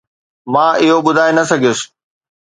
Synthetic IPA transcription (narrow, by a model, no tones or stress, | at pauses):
mãːɪɦoɓʊd̪ʱaːenɐsɐɡʱijʊsɪ̥̆